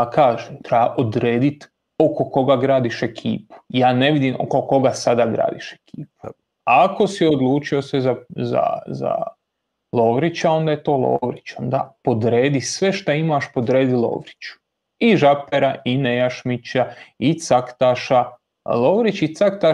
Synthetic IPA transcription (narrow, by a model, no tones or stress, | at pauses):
akaːʒemt̪ɾaaʔod̪ɾe̞ːd̪it̪ | o̞ko̞ko̞ɡaɡɾaːd̪iʃe̞kʰḭːpu̥jaːne̞ʋid̪imo̰koko̞ɡasad̪aɡɾa̰ːd̪iʃe̞̥kiːpu̥ | ako̞sio̞d̪lˠuːt͡ʃio̞sezaza̰za̰ | lˠo̞ʋɾit͡ɕao̞nd̪ajet̪o̞ːlˠo̞̰ʋɾit͡ɕo̞nd̪apo̞d̪ɾeːd̪isʋe̞ʃt̪aimaʃpo̞d̪ɾeːd̪ilˠo̞̰ʋɾi̥t͡ɕu̥ | iʒapeɾainejaʃmit͡ɕait̪sakt̪aʃa | lo̞ʋɾit͡ɕit̪sakt̪a